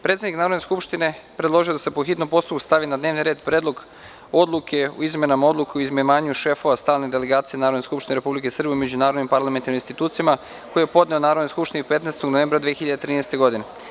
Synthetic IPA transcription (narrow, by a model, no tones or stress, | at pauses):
pɾet̪sed̪niknaːɾo̞d̪neskupʃt̪ine̞pɾed̪lo̞ʒijo̞d̪asepo̞xit̪nompo̞st̪up̚ku̥st̪aʋinad̪ne̞ːʋniɾe̞ːd̪pɾe̞ːd̪lˠo̞ɡ | o̞d̪lˠukʰe̞o̰izme̞namao̞d̪lukeoizmeʋaːɲuʃe̞fo̞ʋast̪aːlned̪eleɡaːt̪sije̞naːɾod̪ne̞skupʃt̪ineɾe̞publikesr̩beimed͡ʑunaːɾod̪nimpaɾlament̪aɾniminst̪it̪uːt̪sijama | koijepo̞d̪ne̞onaːɾod̪nojskupʃt̪iniupe̞t̪neːst̪oɡnoʋe̞mbɾad̪ʋiexiʎad̪et̪ɾiːnest̪e̞ɡo̞d̪ine